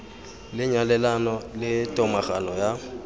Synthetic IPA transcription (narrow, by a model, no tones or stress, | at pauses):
lɪɲwalɛlanɔlɪtʼɔmaχanɔja